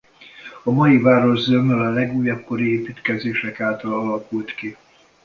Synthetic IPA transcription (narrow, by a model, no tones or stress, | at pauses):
ɒmɒjivaːɾo̞ʒzømɛlɒlɛɡuːjɒp̚koɾieːpiːt̪kɛzeːʃɛkaːlt̪ɒlɒlɒkult̪ki